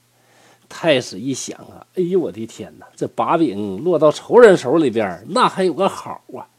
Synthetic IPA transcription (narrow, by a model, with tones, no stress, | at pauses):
t̪ʰa˥˧ɪʂɻ̩˨˩i˥˩ɕjɑ̰˨˩˦ŋɐ̰˧˥˩i˧˥wɔ̰˨˩t̪i˧˥t̪ʰjɛ̰˧˥nə˧t͡sa˥˩ɪpa˧˥pi˨˩ŋlwɔ˥˧t̪ɑ˥˩ʊʈ͡ʂʰo˧˥ʊɻə˧˥nʂo˧˥ʊli˨˩pjə̰˨˩˥na˥˩xa˧˥ɪjo˨˩ʊɡə˥xɑ˨˩˦ɐ˧